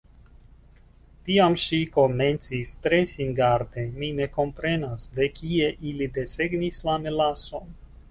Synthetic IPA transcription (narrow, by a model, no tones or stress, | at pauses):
tiamʃiko̞me̞nt͡sistɾe̞sinɡaɾd̪e̞mine̞ko̞mpɾe̞nasde̞kʰie̞ʔilid̪e̞se̞ɡnislamelaso̞n